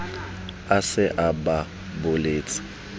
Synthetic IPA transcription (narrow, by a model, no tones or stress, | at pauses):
asɪʔaba | bʊleːt͡sʼɪ̥